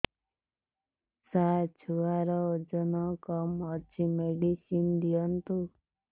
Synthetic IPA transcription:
sat͡ʃʰuaɾɔd͡ʒɔnɔkɔmɔt͡ʃʰimeɖisind̪ijɔnt̪u

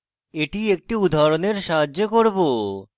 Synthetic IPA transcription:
eʈiek̚ʈiud̪ʱaɾoneɾʃaɦad͡ʑːokoɾbo

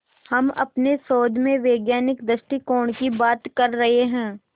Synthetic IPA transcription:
hɐmɐ̰pnesoːd̪ʱmẽʋeːɡjaːnɪkd̪əʃʈikɔːɳkibaːt̪kɐɾːɐɦeɦɛ̃ː

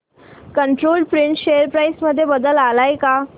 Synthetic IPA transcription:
kəɳʈɾoːlɖpɾiɳʈɕejəɾpɾajsməd̪ʱːjebəd̪əlalajka

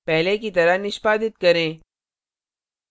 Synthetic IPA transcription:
pɛɦlekit̪ɐɾanɪʃpaːd̪ɪt̪kɐɾẽː

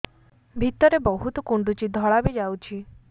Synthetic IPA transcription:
bʱit̪ɔɾebɔɦut̪ɔkuɳɖut͡ʃid̪ʱɔɭabed͡ʒawt͡ʃʰi

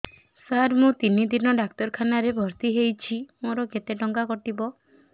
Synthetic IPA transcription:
saɾmũt̪inid̪ʱinɔɖak̚t̪ɔɾkʰanaɾebʱɔɾt̪iɦejt͡ʃʰimoɾɔket̪eʈɔŋɡakɔʈibɔ

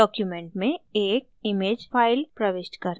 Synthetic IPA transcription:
ɔːkjumẽɳʈmẽeːk̚ɪmeːd͡ʒfʰaːɪlpɾɐʋɪʃʈkɐɾ

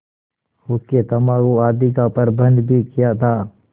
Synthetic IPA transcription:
oket̪ɐmãːkoaːd̪ikapəɾbʱə̃nd̪bʱikijat̪ʰaː

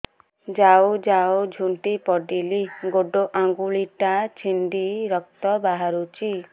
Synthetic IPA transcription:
d͡ʒaod͡ʒaod͡ʒʱuɳʈipɔɖiliɡoɖoʔaŋɡuɭiʈat͡ʃʰind̪iɾɔk̚t̪ɔbaɦaɾut͡ʃʰi

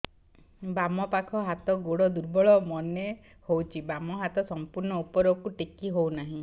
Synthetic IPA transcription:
bamɔpakʰɔɦat̪ɔɡoɽɔd̪uɾbɔɭɔmɔne | howt͡ʃʰibamɔɦat̪ɔsɔmpuɾɳɔupɔɾɔkuʈikiɦownaɦĩ

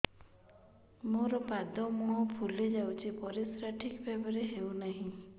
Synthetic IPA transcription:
moɾɔpad̪ɔmuɦɔpʰuled͡ʒawt͡ʃʰipɔɾisɾaʈʰikbʱebɔɾeɦewnaɦĩ

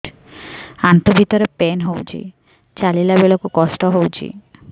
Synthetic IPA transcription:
ant̪obʱit̪ɔɾepenɦowt͡ɕʰḭ | t͡ɕalilabeɭɔkukɔsʈɔɦowt͡ɕʰḭ

